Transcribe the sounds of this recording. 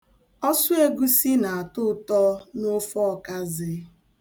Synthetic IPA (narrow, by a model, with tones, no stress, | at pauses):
ɔ˦sʊ˦e˦ɡu˦si˦na˨a˨tʊ˦tɔ˦nʊ˦fɔ˦˨ka˦zɪ˨